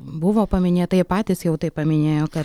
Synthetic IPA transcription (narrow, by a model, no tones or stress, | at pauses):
bʊʋoːpɐmʲɪnʲeːt̪ɐɪɪpɑːt̪ʲɪsjɛʊt̪ɐɪppːɐmʲɪnʲeːjoːkɐ